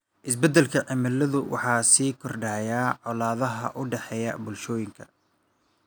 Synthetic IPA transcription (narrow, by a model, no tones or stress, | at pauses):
ʔɪs̬bɛd̪ɛlkʰɐʕɪmɐlːɐðʊwɑ̰ħɑːsiːkʰɔrɖaːjaːʕɔlaːðɐɦɐ̰ʔʊɖɛħɛjɐ̰bʊlʃɔːjɪŋkʰɐ̥